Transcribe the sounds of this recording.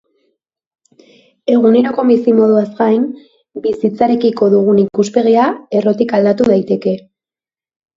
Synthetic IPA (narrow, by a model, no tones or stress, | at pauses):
e̞ɣ̞une̞ɾo̞ko̞misimo̞ð̞uazɡajn | bisit͡saɾe̞kiko̞ðuɣ̞unikuspe̞ɣiae̞ro̞t̪ikald̪at̪uð̞ajt̪e̞ke̞